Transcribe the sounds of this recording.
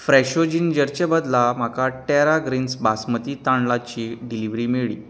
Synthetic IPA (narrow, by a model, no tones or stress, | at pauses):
fɾɛɕod͡ʑind͡ʑəɾt͡ɕəbəd̪lam̤akaʈɛɾaɡɾinsbasmət̪iːt̪aɳlat͡ɕiːɖiliʋɾiːmeɭḭː